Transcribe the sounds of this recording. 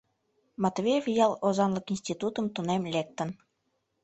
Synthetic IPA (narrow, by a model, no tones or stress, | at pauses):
mɑt̪veevjɑlozɑnləkinsʲt̪it̪ut̪əmt̪unemlek̚t̪ə̆n